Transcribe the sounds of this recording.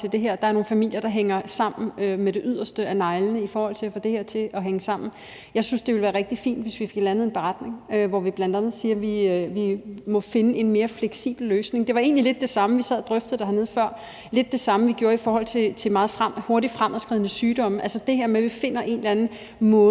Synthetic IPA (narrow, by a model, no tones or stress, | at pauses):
t͡sʰe̝ld̥e̝ɦeɐ̰d̥ɑ̈æɐno̝ːn̩fæmil̰jɐɾ̥ɑ̈ɦeŋɐsɑ̈m̰n̩ømeɾ̥e̝ʔyð̞̰ˠɐsd̥əænɑ̈ɪlnəifɒːhɒ̽l̰t͡sʰe̝æfɔ̽d̥e̝heɐ̰t͡sʰe̝ʔɒ̽ɦeŋəsɑ̈m̰n̩ | jɑ̈ɪsynsd̥e̝ʋe̝lʋæːɐʁeɡ̥̚d̥ifḭːnd̥ʋe̝sʋife̝ɡ̥lænð̩ˠe̝nb̥e̝ʁad̥ne̝ŋøʋɒʋib̥lænd̥ænð̞̩ˠsiːɐʋiʋimɒ̽fe̝nəe̝nme̝ːɐfleɡ̥sḭːb̥l̩løːsne̝ŋd̥e̝ʋɑ̈e̝̰ːnlile̝d̥ːe̝sɑ̈məʋisɛð̰ˠd̥ʁœfd̥ð̩ˠd̥ɑhɑne̝ð̞̰ˠfɶɐ̰ | le̝d̥̚ːe̝sɑ̈məʋiɡ̥jo̝ːɐifɒːhɒ̽l̰t͡sʰe̝t͡sʰe̝mɑ̈ːð̞̩ˠfʁaho̝ɐɾid̥fʁamʔæsɡ̥ʁiðˠnəsyːd̥ɒ̽məʔælsəd̥e̝heɐ̰meʋife̝n̰ɐʔe̝nd̥lænð̩ˠ | mɔ̽ː